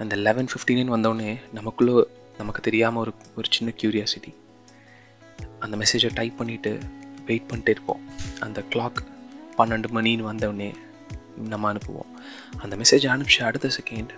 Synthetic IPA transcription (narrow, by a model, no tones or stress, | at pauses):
ɐnd̪ɐɪlɛʋɛnfɪfʈiːnɐnʋɐnd̪ɐːnːeːnɐmɐkːɯɭːoː | nɐmɐkːɯ̥t̪ɛɾɪjaːmɐɔɾɯɔɾɯt͡ʃɪnːɐkjuːɾɪjaːsɪʈːi | ɐnd̪ɐmɛseːd͡ʒɐʈɐɪpːɐɳːɪʈːɯ̰ʋeɪʈ̚pɐɳːɪʈːeːɪɾɯkːõ̰ːɐnd̪ɐkɭaːkpɐnːɐɳɖɯmɐɳinʋɐnd̪ɐʋnːeː | nɐmːɐɐnɯpːɯʋõ̰ː | ɐnd̪ɐmɛseːd͡ʒɐɳɯt͡ʃːɯɐɽɯt̪ːɐsɛkeɳɖ